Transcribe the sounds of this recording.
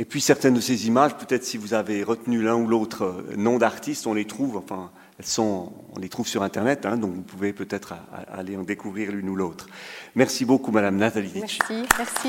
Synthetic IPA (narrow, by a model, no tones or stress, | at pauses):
epɥisɛʁt̪ɛnd̪əsezimaʒpøt̪ɛt̪χəsivuzaveʁət̪nylɛ̃uloːt̪χənɔ̃d̪aʁt̪ist̪ɔ̃let̪χuvɑ̃fɛ̃ | ɛlsɔ̃ | ɔ̰̃let̪χuv̥syʁɛ̃t̪ɛʁnɛt̪ɛ̃d̪ɔ̃kvupuvepøt̪ɛt̪χa̰a̰a̰leɑ̃d̪ekuvʁiːʁlynuloːt̪χmɛʁsibokumad̪amnat̪alid̪it͡ʃi